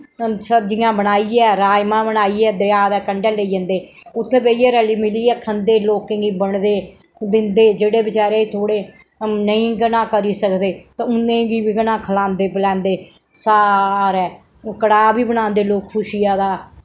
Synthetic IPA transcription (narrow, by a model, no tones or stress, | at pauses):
səb̚d͡ʒɪːãːbənaːiːɛːɾaːjmãːbənaːiːɛːd̪ɾjaːd̪ɛːkəɳɖɛːləiːd͡ʒə̃nd̪eː | ʊt̪ʰːeːbeːiɛːɾɛːliːmɪliːɛːkʰənd̪eːloːkːɪ̃ɡiːbəɳd̪eː | d̪ɪnd̪eːd͡ʒeːɽeːbɪt͡ʃaːɾeːt̪ʰoːɽeː | nəĩːɡənãːkəɾiːsəkd̪eːt̪ãːʊnẽːɡiːbiːɡənãːkʰəlãːnd̪eːpəlɛ̃ːnd̪eː | saːɾɛːkəɽaːbiːbənãːnd̪eːloːkkʰʊʃijaːd̪aː